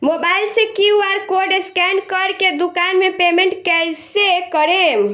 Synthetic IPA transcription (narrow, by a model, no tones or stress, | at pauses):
mobajlsẽkiuaɾkoɾɖeskɛnkəɾked̪ukanmepemeɳʈkɛsekəɾem